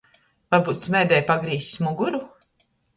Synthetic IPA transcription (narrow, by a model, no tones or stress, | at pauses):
vaɾbuːt̪smʲɛːd̪ɛjpaɡɾiːssmuɡuɾu